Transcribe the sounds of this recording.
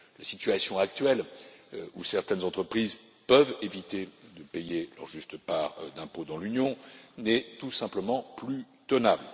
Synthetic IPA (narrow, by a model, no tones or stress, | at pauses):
lasit̪ɥasjɔ̃ak̚t̪ɥɛl | usɛʁt̪ɛnzɑ̃t̪χəpχiz | pœvevit̪ed̪əpejelœ̰ʁʒyst̪paʁd̪ɛ̃pod̪ɑ̃lynjɔ̃nɛt̪usɛ̃pləmɑ̃ply | t̪ɔnabl